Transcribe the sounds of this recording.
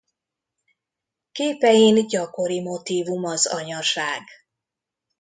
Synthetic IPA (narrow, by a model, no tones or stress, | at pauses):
keːpɛjinɟɒko̞ɾimo̞t̪iːvumɒzɒ̰ɲɒʃaːɡ